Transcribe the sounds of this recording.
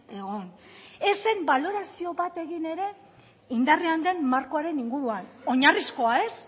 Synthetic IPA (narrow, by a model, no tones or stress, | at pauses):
e̞ɣo̞ne̞se̞mbalo̞ɾasio̞βat̪e̞ɣine̞ɾe̞ | ind̪areand̪e̞nmaɾko̞aɾe̞niŋɡuɾuano̞ɲarisko̞ae̞s